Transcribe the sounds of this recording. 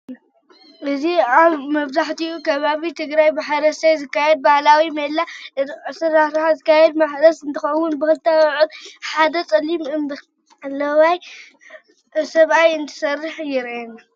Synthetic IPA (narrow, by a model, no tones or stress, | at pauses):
ʔɨziaβmɐβzaħt̪iʔukʰɐβaβit̪ʰɨɡɾajbɨħaɾɐst̪ajzɨkːajɛd̪̚bahlawimɐlːasɨɾaɾħazɨkːajɛd̪maħd̪ɐsɨnt̪ʰɨxɐwːʊnbɨxɨlt̪ʰawʕud̪ħad̪ɐt͡sʼɐlːimɨnb | lːɐwaj | sɐβʔajɨnt̪ʰɨ̥sɐrːɨħjɪɾenːa